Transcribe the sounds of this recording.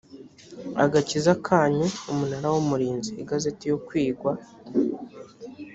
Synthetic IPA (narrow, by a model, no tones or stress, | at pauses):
a̰ɡacizakʰaːɲuumunaɾawomuɾiːnziːɡazetijo̞kwiːɡwa